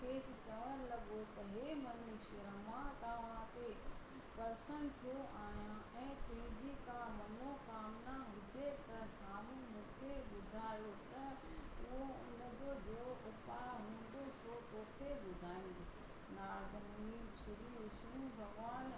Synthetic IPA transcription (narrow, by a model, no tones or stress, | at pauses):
kʰeːsɪ̆t͡ɕɐʋəɾlɐɠot̪ɐɦeːmɐnɪʃəɾəmãt̪ɐʋ̤ãkʰe | pɐɾsənt̪ʰjoʔaːɦjã | ɛ̃ːt̪ʊ̃ɦɪ̃d͡ʑikamɐnokaːmnaɦʊd͡ʑet̪ɐsaːmũmũːkʰeɓʊd̪ʱaːjot̪ɐ | ʊɦoʊ̰nəd͡ʑoːd͡ʑeːoʔʊpaɦũːn̆d̪osot̪oːkʰeɓʊd̪ʱaːɪ̃nd̪ɪsɪ̥ | naːɡ̪ʱmiːʃɪɾiːʊsũːbʱɐɡʋaːn